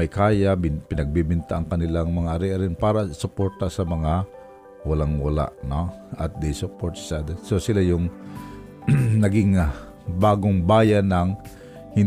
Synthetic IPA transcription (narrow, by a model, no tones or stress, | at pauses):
ɐjkaːjabpɪnɐɡ̚bibɪnt̪aʔɐŋkɐnɪlaŋmɐŋaʔɐɾɛʔɐɾɪnpaːɾasʊpoɹt̪asɐmɐŋa | wɐlaŋwɐla̰ʔnoʔɐt̪̚d̪ɪsʊpoɹt̪sad̪ɛsosɪlajʊŋ | nɐɡɪŋ | baːɡoŋbaːjanɐŋ | hɪn